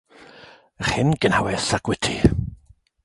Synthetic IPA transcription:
əχhɪnɡ̥ənhawɛsaɡwɛtʰi

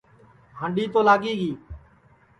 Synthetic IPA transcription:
ɦə̃ːɳɖiːt̪oːlaːɠiːɡiː

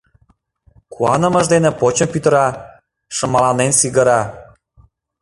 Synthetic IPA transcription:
kʰuɑnə̆mə̆ʒd̪enĕpot͡ɕə̆mpyt̪əɾɑ | ʃə̆mɑlɑnensiɡəɾɑ

